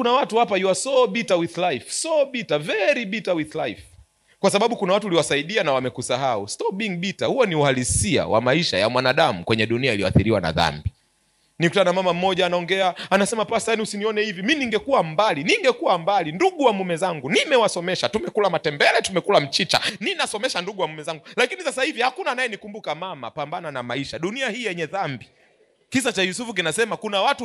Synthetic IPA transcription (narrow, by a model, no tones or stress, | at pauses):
kunawatuhapaiwasɔɓitawiðlajfsɔɓitavɛɾiɓitawiðlajf | kwasaɓaɓukunawatuuliwasaiɗianawamɛkusaɦaustɔɓiŋɓitahuɔniuhalisia̰wa̰maiʃa̰ja̰mwanaɗamukwɛɲɛɗuniailijɔ̰a̰θiɾiwa̰na̰ða̰mbi | nikutanamamam̩mɔʄaːnaɔŋɡɛaːnasɛmapasaniusiniɔnɛhiviminiŋɡɛkuambaliniŋɡɛkuwambalinduɠuwamumɛzaŋɡunimɛwasɔmɛʃatumɛkulamatɛmbɛlɛtumɛkulam̩t͡ʃit͡ʃa̰ninasɔmɛʃanduɠuwamumɛzaŋɡulakinisasahivihakunanajɛnikumbukamama̰pambananamaiʃaɗuniahiːjɛɲɛðambi | kisat͡ʃajusufuk̬inasɛmakunawatu